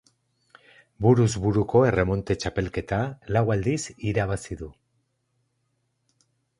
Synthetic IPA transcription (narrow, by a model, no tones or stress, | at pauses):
buɾuzβuɾuko̞e̞re̞mo̞nt̪e̞t͡ʃape̞lke̞t̪alawald̪isiɾaβ̞asiðu